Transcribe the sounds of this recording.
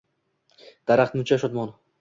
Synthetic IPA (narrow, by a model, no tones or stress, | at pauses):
d̪̥aɾaχt̪mʊt͡ʃʰaʃɒt̪̚mɒn